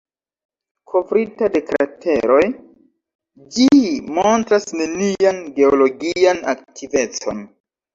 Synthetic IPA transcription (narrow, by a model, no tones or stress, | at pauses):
kʰo̞vɾitade̞kɾa̰tʰe̞ɾo̞j | d͡ʒimontɾasne̞nianɡe̞olo̞ɡiana̰k̚tive̞t͡so̞̰n